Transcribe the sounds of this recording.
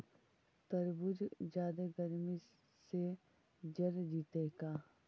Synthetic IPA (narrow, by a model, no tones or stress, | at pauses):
t̪əɾbʊd͡ʒd͡ʒaːd̪eɡəɾmi | se | d͡ʒəɾd͡ʒiːt̪ekaː